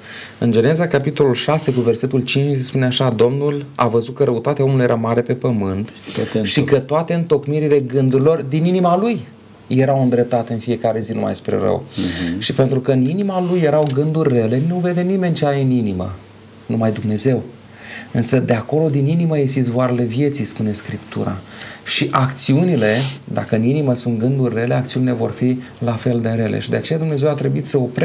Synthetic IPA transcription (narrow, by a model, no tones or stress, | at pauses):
ɨnd͡ʒe̞ne̞zakapit̪o̞lulʃase̞kuve̞rse̞t̪ult͡ʃint͡ʃsespuneaʃad̪o̞mnula̰vəzut̪̚kəɾʔəut̪at̪eao̞mulujeɾamaɾe̞pe̞pəmɨnt̪ | ʃikət̪oat̪eɨnt̪o̞kmiɾile̞ɡɨnd̪uɾilo̞rd̪ininimalujː | e̞ɾawɨnd̪ɾe̞p̚t̪at̪eɨnfije̞kaɾe̞zinumʔa̰jspɾḛɾə̰wʃipe̞nt̪ɾukəɨninimalujːe̞ɾawɡɨnd̪urʲːe̞le̞nuve̞d̪e̞nime̞nt͡ʃeajɨninimə̰ | numajd̪umne̞ze̞w | ɨnsəd̪eako̞lo̞d̪ininiməjesit̪svoaɾele̞vje̞t̪sijspune̞skɾipt̪ṵɾa̰ʃiʔakt̪siunile̞d̪a̰kəɨniniməsunt̪ɡɨnd̪urʲːe̞le̞akt̪siunile̞vo̞rfi | lafe̞ld̪e̞ɾe̞lʔḛʃid̪e̞at͡ʃe̞jad̪umne̞ze̞wat̪ɾe̞buit̪səopɾ